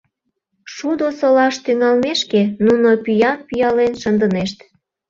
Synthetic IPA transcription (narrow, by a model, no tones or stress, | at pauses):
ʃud̪osolɑʃt̪yŋɑlmeʃkenunopyjɑnpyjɑlenʃənd̪əneʃt̪